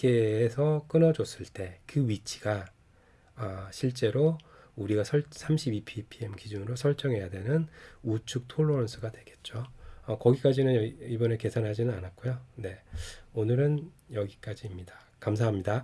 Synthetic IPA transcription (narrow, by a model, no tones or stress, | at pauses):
k͈e̞ːsʰʌk͈ɯnʌd͡ʑos͈ɯɭt͈e̞kɯɥit͡ɕʰi̥ɡ̥a | ʌɕʰiɭt͡ɕ͈e̞ɾo | uɾiɡasʰʌɭsʰamɕʰibipʰipʰie̞mkid͡ʑunɯɾosʰʌɭt͡ɕ͈ʌŋɦe̞jadwe̞nɯnut͡ɕʰuk̚tʰoɭːonsʰɯɡadweɡe̞t̚t͡ɕ͈oʌkʌɡik͈ad͡ʑinɯnibʌneke̞sʰanɦad͡ʑinɯnanat̚k͈ojone̞onɯɾɯnjʌɡik͈ad͡ʑiːmɲida | kams̬ʰaɦamɲida